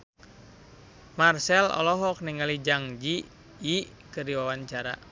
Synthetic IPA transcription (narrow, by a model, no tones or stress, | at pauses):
marsɛlɔ̰lɔɦɔk̚niŋalid͡ʒaŋd͡ʒi | i | kɨriwawaɲt͡ʃaɾa̰